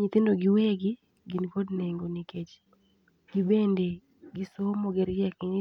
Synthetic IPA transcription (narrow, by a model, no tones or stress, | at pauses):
ɲit̪ɪndoɡɪweɡɪ | ɡinkodneŋɡoniket͡ʃ | ɡ̥ibende | ɡisomoɡɛɾd͡ʒɛkɲɪ